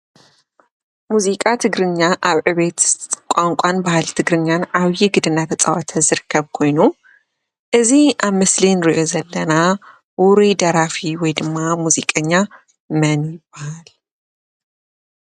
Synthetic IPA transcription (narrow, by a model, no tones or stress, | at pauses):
muzikʼat̪ʰɨɡɾɨɲːaʔaβʕɨβet̪kʷʼaŋkʷʼanbahalt̪ʰɨɡɾɨɲːanʔaβjɪɡɨd̪ɨnat̪ʰɐt͡sʼɐwat̪ʰɐzɨɾɨkʰːɐβkʰo̞jnu | ʔɨziʔaβmɐslinɨɾiʔo̞zɐlːɐna | wʊɾid̪ɐɾafiwɔjd̪ɨmːamuzikʼɐɲːa | mɐnjɪb̥ahal